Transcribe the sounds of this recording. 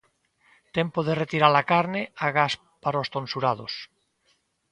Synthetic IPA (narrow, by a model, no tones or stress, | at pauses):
t̪empoðeret̪iɾalakaɾneaɣas | paɾost̪onsuɾað̞os